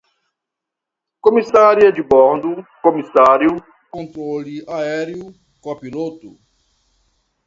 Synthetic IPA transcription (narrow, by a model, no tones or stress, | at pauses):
komisaɾiɐd͡ʒibɔɾd̪ukomisaɾjʊ | kõnt̪ɾoliaɛɾju | kõɐpilot̪u